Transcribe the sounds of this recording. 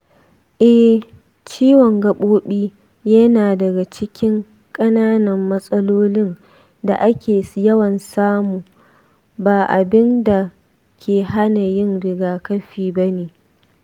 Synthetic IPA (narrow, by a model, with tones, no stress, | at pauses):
ʔɛ˦h | t͡ʃiː˦wɔ˨ŋɡɐ˦˨ɓoː˦ɓiː˦ | jɐ˦naː˨dɐ˨ɡa˨t͡ʃɪ˦kʲɪ˦ŋ | kʼɐ˦naː˦nɐ˨mːɐ˦sʼɐ˦loː˦lɪ˦n | da˨ʔa˦kʲeː˨sjɐ˦wɐ˨nsaː˦muː˨ | baː˨ʔa˨bɪ˦nda˨ | kʲʰeː˨ɦa˦na˨jɪ˦nɽɪ˨ɡaː˨kɐ˦ɸiː˨bɐ˦neː˨